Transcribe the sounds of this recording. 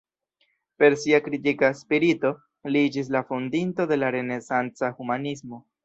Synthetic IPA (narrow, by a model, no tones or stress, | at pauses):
pe̞ɾsiakɾitikaspiɾito̞ | lid͡ʒis̬lafundinto̞de̞laɾe̞ne̞sant͡sahumanismo̞